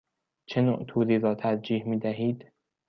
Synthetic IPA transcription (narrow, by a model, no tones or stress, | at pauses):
t͡ʃʰeno̰ʔt̪ʰuːɾiːɾɒːt̪ʰæɾd͡ʒiːhmiːd̪æɦiːd̪̥